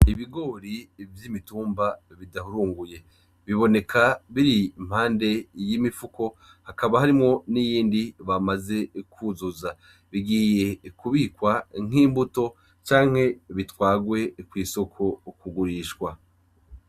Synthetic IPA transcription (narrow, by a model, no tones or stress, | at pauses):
iβiɡo̞ːɾivjimituːmbaβidahuɾuːŋɡuje̞ | βiβo̞ne̞kʰaβiɾim̥haːnde̞jimifuko̞ | hakaβaɦaɾimŋo̞nijiːndiβamaze̞kʰuzuza | βiɡije̞kuβikwaŋ̥iːmbuto̞ | t͡ʃaːŋ̥he̞βitwaːɡwe̞kwiːso̞kʰo̞kuɡuɾiːʃkwa